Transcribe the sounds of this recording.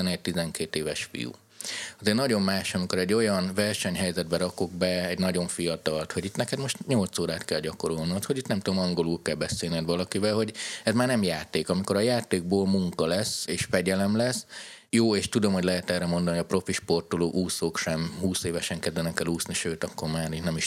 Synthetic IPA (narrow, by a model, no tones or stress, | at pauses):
ɛnɛc̚t̪izɛŋkeːt̪eːvɛʃfḭjṵ | ɒzeːrnɒɟo̞mmaːʃɒmiko̞ɾɛɟːo̞jɒnvɛrʃɛɲɦɛjzɛd̪̚bɛɾɒkoɡ̚bɛɛɟnɒɟo̞ɱfijɒt̪ɒlt̪hoɟit̪nɛkɛd̪mo̞ʃt̪ɲo̞lt̪soːɾaːt̪kɛlɟɒko̞ɾolniot̪ho̞ɟit̪nɛmt̪ud̪omɒŋɡo̞lulkɛlbɛseːlnɛd̪ʋɒlɒkivɛlɦoɟɛzmaːrnɛmjaːt̪eːkɒmiko̞ɾɒjaːt̪eːɡ̚boːlmuŋkɒlɛsːeːʃfɛɟɛlɛmlɛs | joːeːʃt̪ud̪o̞mho̞ɟʲlɛɦɛt̪ɛːrɾɛmo̞nd̪ɒnoijɒpro̞fiʃpo̞rt̪oloːʔuːsoːkʃɛmhuːseːvɛʃɛŋkɛd̪vɛnɛkɛluːsniʃøːt̪ɒkːo̞rmaːɾit̪nɛmiʃ